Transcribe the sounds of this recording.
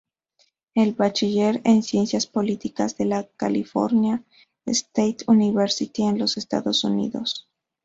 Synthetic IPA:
elβat͡ʃiʝeɾensje̞nsjaspo̞lit̪ikazðe̞lakalifo̞̰ɾnja | est̪ejt̪uniβeɾsit̪ienlo̞sest̪a̰ðo̞sunḭðo̞̰s

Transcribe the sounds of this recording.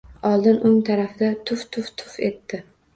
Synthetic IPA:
ɒlˠd̪ɪnʔʊŋt̪ʰaɾafɪd̪at̪ʰʊft̪ʰʊft̪ʰʊ̥fe̞t̪ːɪ

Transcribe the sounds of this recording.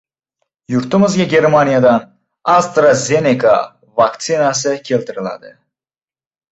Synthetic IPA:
juɾt̪umuzɡʲaɡʲeɾmanʲijad̪ɑn | ast̪ɾazʲenika̰ | vakt̪sinasɨkʰelʲt̪iɾɨlˠa̰d̪ɨ

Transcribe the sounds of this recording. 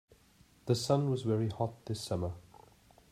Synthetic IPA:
ðəsʌ̃nwɒzvɛɹihɒt̚ðɪsʌmə

